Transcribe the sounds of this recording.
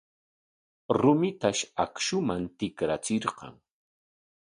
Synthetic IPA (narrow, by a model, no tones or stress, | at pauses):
ɾʊmɪt̪aʃakʃʊmant̪ɪkɾat͡sɪɾqɑ̰ŋ